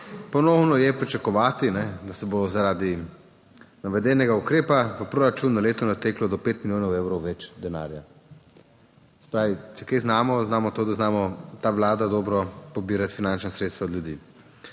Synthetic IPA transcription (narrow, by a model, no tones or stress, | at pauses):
pɔnɔwnɔjɛpɾit͡ʃakɔʋaːt̪inɛd̪asɛbozaɾaːd̪i | naʋɛd̪ɛnɛɡaukɾeːpaʋəpɾoːɾat͡ʃuːnːaleːt̪ɔnat̪eːklɔd̪ɔpeːt̪miljoːnɔweːwɾɔwʋɛt͡ʃd̪ɛna̰ːɾja | sɛ̥pɾaːʋit͡ʃɛkeznaːmɔznaːmɔt̪oːd̪aznaːmɔt̪aːʋlaːd̪ad̪ɔːbɾɔpɔbiːɾat̪finant͡ʃnasɾet̪st̪ʋaɔd̪ljud̪ḭː